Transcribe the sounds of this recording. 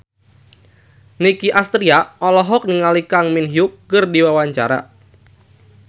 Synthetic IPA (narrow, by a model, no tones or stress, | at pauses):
nikiʔast̪ɾiaɔlɔɦɔk̚niŋalikaŋminɦiʊk̚ːɨrdiwawaɲt͡ʃa̰ɾa̰